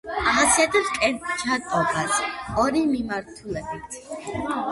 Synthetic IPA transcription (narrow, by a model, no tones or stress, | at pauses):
aɦasiad̪ɛskʼɛɾt̪t͡ʃʰat̪ʼɔbasɔɾimimaɾt̪ʰulɛbit̪ʰ